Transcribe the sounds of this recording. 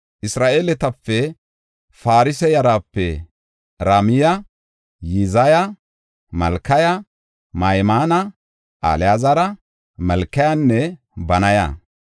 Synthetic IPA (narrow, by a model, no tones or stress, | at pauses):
ʔɪsɾaːʔeːlɛt̪ɐpːɛ | faːɾɪsɛjɐɾaːpːɛ | ɾaːmɪjɐ | jizɐjɐ | mɐlkːɐjɐ | mɐjmaːnɐ | ʔa̰ljaːzɐɾɐ | mɐlkːɐjanːɛ | bɐnɐjɐ̰